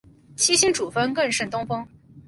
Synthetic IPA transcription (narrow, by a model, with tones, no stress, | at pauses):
t͡ɕʰi˥ɕi˥nʈ͡ʂu˨˩fə˥nkɤ˥˩nʂə˥˩nt̪ʊ˥ŋfɤ˥ŋ